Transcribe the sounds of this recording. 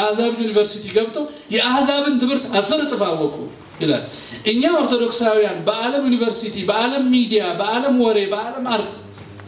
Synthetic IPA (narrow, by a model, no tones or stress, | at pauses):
ahzaβɨnjunivəɾsit̪ʰiɡəβt̪ʼəw | jɛʔahzaβɨnt̪ʰɨmɨɾt̪asəɾɨt̪ʼɨfawːɔkʼu | jɪla̰lː | ʔɨɲːao̞ɾt̪ʰo̞d̪o̞ksawijanbəʔaləmjunivəɾsit̪ʰibəaləmːid̪ijabəʔaləmwɔɾe̞bəaləmaɾt̪